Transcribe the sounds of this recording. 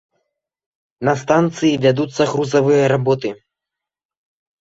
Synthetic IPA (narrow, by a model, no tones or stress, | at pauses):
nɐst̪ant̪sɨjivʲad̪ut̪sːɐɣɾuzavɨjɐɾabɔt̪ɨ